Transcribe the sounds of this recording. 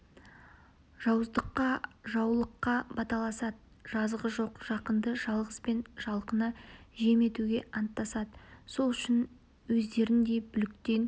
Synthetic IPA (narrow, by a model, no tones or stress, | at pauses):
ʒ̥ɑwəzd̪əqːɑʒɑwlˠəqːɑbɑt̪ɑlˠɑsɑd̪ə | ʒ̥ɑzʁəʒo̞qʒ̥ɑqənd̪əʒɑlˠʁəspe̞nʒ̥ɑlˠqənɑʒe̞me̞t̪uɡʲe̞ʔɑnt̪ːɑsɑd̪əso̞lˠʏʃɪn | wɵzd̪e̞ɾɪnd̪e̞bʏlɪk̚t̪e̞n